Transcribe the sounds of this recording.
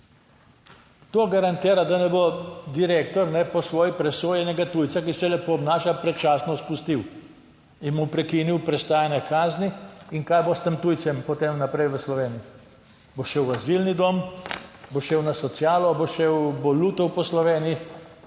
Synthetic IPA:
t̪oːɡaɾant̪iːɾad̪anɛbod̪iɾeːkt̪ɔɾnɛpɔsʋoːjipɾɛsoːjɛnɛɡat̪ujt̪sakisɛlɛpoːbnaːʃapɾɛt͡ʃaːsnɔspust̪iw | inmupɾɛkiniwpɾɛst̪aːjanɛkaːzniiŋkaːjbost̪əmt̪ujt̪sɛmpɔt̪emnapɾɛjʋəslɔʋeːniji | boʃewazilnid̪oːm | boʃeːwnasɔt̪sjaːlɔboʃewboluːt̪ɔwpɔslɔʋeːnii

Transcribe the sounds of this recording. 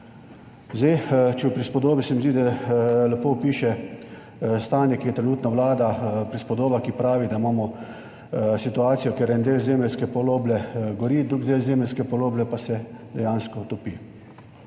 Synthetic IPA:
zet͡ʃɛwpɾispɔd̪oːbisɛmizd̪id̪alɛpoːpiːʃɛ | st̪aːnjɛkijɛt̪ɾɛnuːt̪nɔʋlaːd̪apɾispɔd̪oːbakipɾaːʋid̪aimaːmɔ | sit̪uaːt̪sijɔkeɾɛnd̪eːlzeːmlɛskɛpɔloːblɛɡɔɾiːd̪ɾuːɡd̪eːlzeːmlɛlskɛpɔloːblɛpasɛd̪ɛjaːnskɔt̪ɔpi

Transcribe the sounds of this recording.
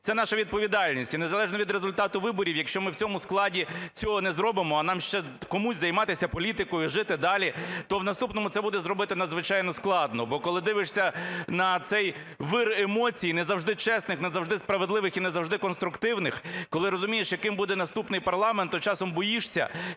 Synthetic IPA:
t̪sɛnɑʃɐʋʲid̪̚pɔʋʲid̪ɑlʲnʲisʲtʲinezɐlˠɛʒnɔʋʲid̪ɾezʊlʲt̪ɑt̪ʊʋɪbɔɾʲiwjɐkʃt͡ʃɔmɪwt͡sʲɔmʊsklˠɑdʲit͡sʲɔɦɔnɛzɾɔbɪmɔːnɑmʃt͡ʃɛkɔmusʲzɐjmɑt̪ɪsʲɐpɔlʲit̪ɪkɔjiʒɪt̪ɪd̪ɑlʲit̪ɔwnɐst̪upnɔmʊt̪sɛbud̪ɛzɾɔbɪt̪ɪnɐd̪zʋɪt͡ʃɑjnɔsklˠɑd̪nɔbɔkɔlˠɪd̪ɪʋɪʂsʲɐnɐt̪sɛj | ʋɪremɔt͡sʲijinezɐwʐd̪ɪt͡ʃɛsnɪxnezɐwʐd̪ɪspɾɐʋed̪lˠɪʋɪxinezɐwʐd̪ɪkɔnst̪ɾʊkt̪ɪwnɪxkɔlˠɪɾɔzʊmʲijeʃjɐkɪmbud̪ɛnɐst̪upnɪjpɐrlˠɑment̪ːɔt͡ʃɑsɔmbɔjiʂsʲɐ̰

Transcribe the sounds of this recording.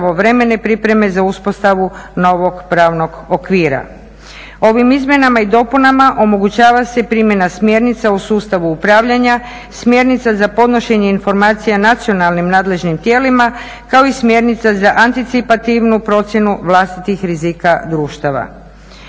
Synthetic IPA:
o̞ʋɾe̞me̞ne̞pɾipɾe̞me̞zauspost̪aʋuno̞ʋo̞ɡpɾaːʋno̞ɡokʋiːɾa̰ | o̞ʋimizmje̞namaid̪o̞punamaʔo̞mo̞ɡut͡ɕaːʋase̞pɾimje̞nasmje̞ɾnit̪sausuːst̪aʋuupɾaːʋʎaɲa | smʲje̞ɾnit̪sazapo̞d̪no̞ʃe̞ɲe̞info̞ɾmaːt̪sijanat̪sio̞nalˠnimnaːd̪le̞ʒnimt̪je̞ːlima | kao̞ismje̞ɾnit̪sazaʔant̪it̪sipat̪iʋnupɾo̞t̪sje̞nuʋlˠast̪it̪ixɾizikad̪ɾuːʃt̪aʋa̰

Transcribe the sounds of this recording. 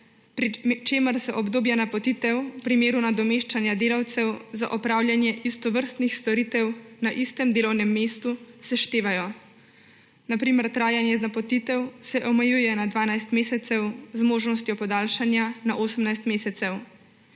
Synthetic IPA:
pɾit͡ʃeːməɾsɛʔɔbd̪oːbjanapɔt̪iːt̪ɛwwpɾimeːɾunad̪ɔmeːʃt͡ʃanjad̪eːlawt̪sɛwza̰ʔɔpɾaːwlʲjanjɛʔist̪ɔʋəɾst̪nixst̪ɔɾiːt̪ɛwnaʔist̪ɛmd̪eːlɔwnɛmːeːst̪usɛʃt̪eːʋajɔ | napɾiːmɛɾt̪ɾaːjanjɛznapɔt̪it̪ɛwsɛʔɔmɛjuːjɛnad̪ʋaːnajst̪meːsɛt̪sɛwzmoːʒnɔs̬t̪jɔpɔd̪aːlʃanjanaʔoːsəmnajst̪meːsɛt̪sɛw

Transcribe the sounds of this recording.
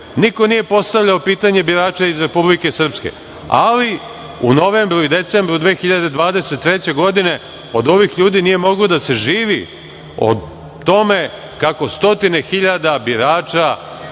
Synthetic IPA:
niko̞nije̞po̞st̪aʋʎaopiːt̪aɲe̞biɾaːt͡ʃaizɾe̞publike̞sr̩pske̞̰ | a̰li | ṵno̞ʋe̞mbɾuid̪e̞t̪se̞mbɾud̪ʋeːxiʎad̪e̞d̪ʋaːd̪e̞set̪ːɾe̞t͡ɕe̞ɡo̞d̪ine̞ | o̞d̪o̞ʋixʎuːd̪inije̞mo̞ɡlod̪ase̞ʒiːʋi | o̰d̪ | t̪o̞me̞ | kako̞st̪o̞t̪ine̞xiʎad̪abiɾaːt͡ʃa

